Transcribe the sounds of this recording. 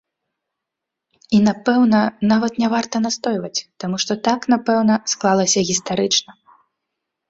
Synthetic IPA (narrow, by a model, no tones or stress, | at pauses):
inapɛwnɐnavɐt̪nʲɛvart̪ɐnast̪ɔjvɐt͡sʲt̪amuʂt̪ɔt̪aknapɛwnɐsklˠalˠɐsʲɐɣʲist̪aɾɨt͡ʂnɐ